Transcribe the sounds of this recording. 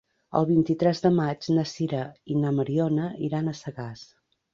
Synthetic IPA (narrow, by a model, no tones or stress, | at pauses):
ə̰lˠβint̪it̪ɾɛzðəmad͡ʒnəsiɾəinəməɾiɔnəiɾanəsəɣas